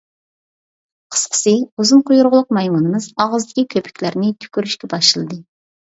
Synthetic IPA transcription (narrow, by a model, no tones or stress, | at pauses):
qʰə̥sqʰə̥sɨuzɨnqʰʊjuɾʁʊlˠʊq̚mɑjmunɨmɨzɑʁəzd̪ɪkʲikʲʰøpʰɪ̥kʲlæɾnɪt̪ʰy̥kʲyɾyʃkʲɛbɑʃɨlˠɨd̪ɨ